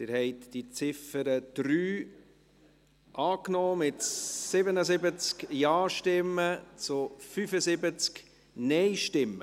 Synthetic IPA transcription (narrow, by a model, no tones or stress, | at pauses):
d̥ɪːɾhɛɪt̪d̥it͡sɪfəɾəd̥ɾyː | ʔɑːknɔːmɪtsɪbənəzɪbət͡skjaːʃtɪmːət͡sʊfyfəzɪbət͡sk | nɛɪʃtɪmːə